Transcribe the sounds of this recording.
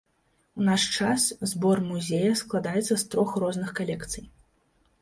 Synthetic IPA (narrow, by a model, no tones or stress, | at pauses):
unaʂt͡ʂaszbɔrmuzʲejɐsklˠad̪ajɛt̪sɐst̪ɾɔxrɔznɨxkalʲɛkt̪sɨj